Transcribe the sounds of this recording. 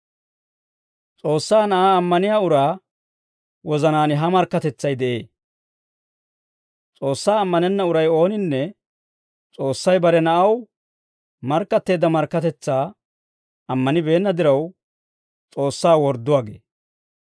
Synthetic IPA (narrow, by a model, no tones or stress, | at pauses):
t͡sʼo̞ːsːaːnɐʔaːɐmːɐnɪjaːʊɾaː | wɔzɐnaːnɪɦɐmɐɾkːɐt̪ɛt͡sːɐjd̪ɛʔe̞ː | t͡sʼo̞ːsːaːɐmːɐnɛnːɐʊɾɐjo̞ːnɪnːɛ | t͡sʼo̞ːsːɐjbɐɾɛnɐʔɐw | mɐɾkːɐt̪ːe̞ːd̪ːɐmɐɾkːɐt̪ɛt͡sːaː | ɐmːɐnɪbe̞ːnːɐd̪ɪɾɐw | t͡sʼo̞ːsːaːwɔɾd̪ːʊwaːɡḛː